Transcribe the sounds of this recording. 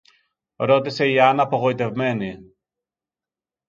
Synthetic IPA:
ɾo̞t̪ise̞iɐnɐːpo̞ɣo̞it̪e̞vme̞ni

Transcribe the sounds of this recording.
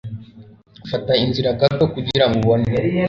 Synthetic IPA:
fatainziɾakatokuɟiɾaŋɡuβoni

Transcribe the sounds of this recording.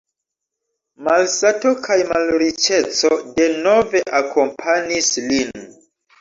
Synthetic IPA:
malsato̞kʰajmalɾit͡ʃe̞t͡so̞de̞no̞ve̞ʔakʰo̞mpʰanislin

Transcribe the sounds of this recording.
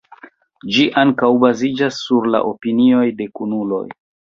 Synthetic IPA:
d͡ʒiʔaŋkawbazid͡ʒasːuɾla̰ʔopinio̞jde̞kunulo̞̰j

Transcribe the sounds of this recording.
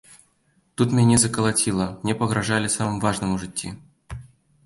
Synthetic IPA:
t̪ut̪mʲnʲenʲezəkəlˠatʲilˠəmnʲepəɣɾaʐalʲɪsamɨmvaʐnɨmuʐɨtʲːḭ

